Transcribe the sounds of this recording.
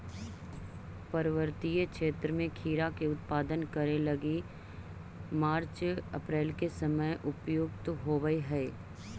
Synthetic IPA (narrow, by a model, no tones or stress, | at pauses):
pɐɾəʋəɾt̪ijəkʃeːt̪ɾəmẽkʰiːɾakeʊt̪̚paːd̪ənkɐɾelɐɡi | maːɾt͡ʃɐ̰pɾeːlkesəməjʔʊpjoːɡt̪ɦoːʋəiɦɛː